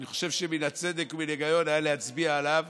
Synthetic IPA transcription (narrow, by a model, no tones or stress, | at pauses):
niχo̞̥ʃe̞vʃeminat͡se̞d̪e̞kmineɡajo̞najalehat͡sbiaːlav